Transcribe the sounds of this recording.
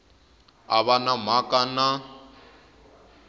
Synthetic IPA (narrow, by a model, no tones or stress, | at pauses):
a̰βanamakana